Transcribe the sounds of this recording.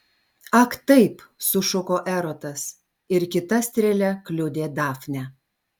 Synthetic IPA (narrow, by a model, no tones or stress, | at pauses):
ɐkt̪ɐɪpsʊʃʊkoːʔɛɾoːt̪ɐs | ɪɾkʲɪt̪ɐsʲt̪ʲɾʲɛlʲɛklʲʊd̪ʲeːd̪ɑːfnʲɛ